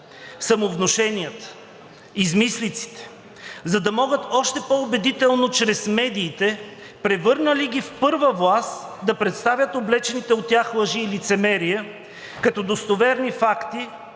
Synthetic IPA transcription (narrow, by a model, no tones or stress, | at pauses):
sɐmovnoʃɛnijət̪ə̥ | izmislit̪si̥t̪ɛ̥ | zɐd̪ɐmɔɡət̪ɔʃt̪ɛpoʊbɛd̪it̪ɛlˠnot͡ʃɾɛsmɛd̪iːt̪ɛ | pɾɛvɤɾnəliɡifpɤɾvəvlˠast̪d̪ɐpɾɛt̪st̪avʲjət̪oblɛt͡ʃɛnit̪ɛot̪ʲːjaxlˠəʒiːlit̪sɛmɛɾijə | kɐt̪ɔd̪ost̪ovɛɾnifakt̪i